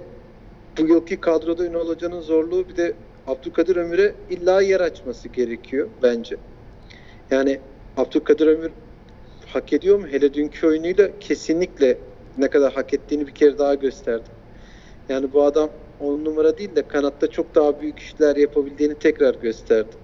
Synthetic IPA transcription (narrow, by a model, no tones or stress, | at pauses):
bujɯlˠkʰɯkʰad̪ɾo̞d̪ayno̞lˠad͡ʒanɯnzo̞ɾlˠuːbid̪ɛ | ap̚t̪ʰulkʰad̪ɯɾø̞myɾɛilʲːaːjɛɾat͡ʃmasɯɟe̞ɾe̞cʰijo̞bænd͡ʒɛ | jaːni | ap̚t̪ʰulˠkʰad̪ɯɾø̞myɾ | hake̞d̪ijo̞ɾmuɦe̞lʲɛd̪yncʰyo̞junujlˠacʰe̞sinlʲiclʲɛ | nɛkad̪aɾɦakɛt̪ːiːnibicʰe̞ɾɛd̪aɦɟø̞st̪ʰæɾd̪ɪ | jaːnibuad̪am | onnumaɾad̪iːlʲd̪ɛkʰanat̪ːat͡ʃʰo̞k̚d̪aɦabyjycʰi̥ʃilʲæɾjapʰabilʲd͡ʒ̪iːnit̪ʰɛcɾaɾɟø̞st̪ʰæɾd̪ɪ